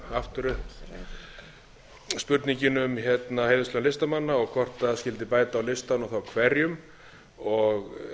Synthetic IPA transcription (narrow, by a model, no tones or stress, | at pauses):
aft̪ʏɾʏhp | spʏɾt̪niɲcɪnʏmçɛt̪nahejðʏslœːnlɪst̪amanːaɔɣkʰvɔr̥t̪ascɪlt̪̬ɪpaːjt̪aːwlɪst̪anɔθawkʰvɛɾjʏm | ɔɣ